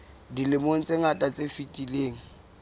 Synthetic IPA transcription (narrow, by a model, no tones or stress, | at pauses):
dilɪmoŋ̩t͡sʼeŋatʼat͡sʼefitʼileːŋ̩